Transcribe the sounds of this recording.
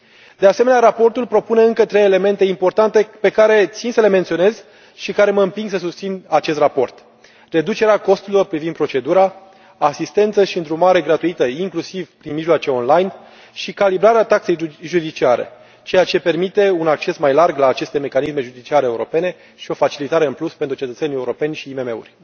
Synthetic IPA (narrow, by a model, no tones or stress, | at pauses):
d̪e̞aseme̞neaɾapo̞rt̪ulpɾo̞pune̞ɨŋkət̪ɾe̞jele̞me̞nt̪e̞impo̞rt̪ant̪e̞pe̞kaɾe̞t̪sinsəle̞me̞nt̪sio̞ne̞z | ʃikaɾe̞məɨmpiŋɡsəsust̪sinat͡ʃe̞st̪rɾapo̞rt̪ | re̞d̪ut͡ʃeɾeako̞st̪ulilorpɾivind̪pɾot͡ʃe̞d̪uɾaː | sist̪e̞nt̪səʃiɨnd̪ɾumaɾe̞ɡɾat̪uit̪əiŋklusivpɾinmiʒloat͡ʃe̞o̞nlajn | ʃikalibɾaɾeat̪akse̞jʒud̪it͡ʃiaɾe̞̰ | t͡ʃe̞jat͡ʃe̞pe̞rmit̪e̞unak̚t͡ʃe̞smajlarɡlaːt͡ʃe̞st̪e̞me̞kanisme̞ʒud̪it͡ʃiaɾeːuɾo̞̰pe̞ne̞ | ʃio̞fat͡ʃilit̪aɾe̞ɨnpluspent̪ɾut͡ʃe̞t̪ət̪se̞nijeuɾo̞pe̞nʲʃiːme̞me̞ṵrʲ